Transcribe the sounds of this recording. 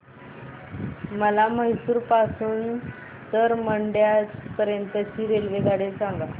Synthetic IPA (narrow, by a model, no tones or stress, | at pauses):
məlaməɦisuːɾpasuːn | t̪əɾməɳɖjat͡spəɾjənt̪ət͡ɕiːɾelʋeɡaɽesãŋɡa